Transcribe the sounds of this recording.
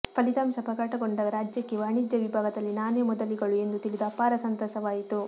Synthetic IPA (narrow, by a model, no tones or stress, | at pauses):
pʰɐlid̪aːmsɐpʰɐɡɐʈɐɡoɳɖɐɾaːd͡ʒjɐkːeʋɐːɳid͡ʒjɐʋibʱaːɡɐd̪ɐlːinaːnjɐmɔd̪ɐliɡɐɭue̞nd̪ut̪iɽid̪ɐːpaːɾɐsɐnt̪ɔːsɐʋaːjit̪u